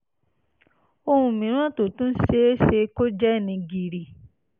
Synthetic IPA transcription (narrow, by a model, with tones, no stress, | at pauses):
o˧hũ˧mĩ˨˦ɾ̃ã˦to˨tũ˦se˦e˦ʃe˧ko˦d͡ʒɛ˦˨nĩ˧ɡi˨ɾi˨